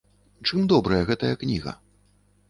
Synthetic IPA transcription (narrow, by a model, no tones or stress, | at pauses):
t͡ʂɨmd̪ɔbɾɐjɐɣɛt̪ɐjɐknʲiɣɐ̰